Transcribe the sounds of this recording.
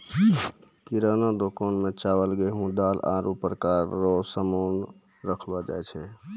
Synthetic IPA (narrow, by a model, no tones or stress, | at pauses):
kiɾənad̪okonmet͡ʃabəlɡeɦũd̪ala̰ɾupɾəkaɾːɔsəmon | ɾəkʰbad͡ʒa̰jt͡ʃʰɛ